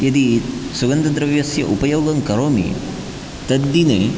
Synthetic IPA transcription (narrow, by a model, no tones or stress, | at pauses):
ɐd̪isuɡɐnd̪ɐd̪ɾɐʋjɐsjɐ̰ʔupɐjoːɡɐŋkɐɾoːmḭ | t̪ɐd̪ːinḛː